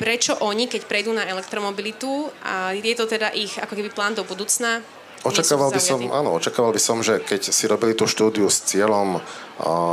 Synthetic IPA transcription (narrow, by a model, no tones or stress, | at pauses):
pɾɛt͡ʃɔʔɔɲikɛcpɾɛjd̪uːnaɛlɛkt̪ɾɔmɔbilit̪uʔa̰jɛt̪ɔt̪ɛd̪aʔixa̰kɔkɛbiplaːnd̪ɔbud̪uːt͡sna | ɔt͡ʃakaːʋalbisɔmʔa̰ːnɔ̰ɔt͡ʃakaːʋalbisɔmʒɛkɛcsiɾɔbilit̪uʃt̪uːd̪iust͡sɪɛlɔm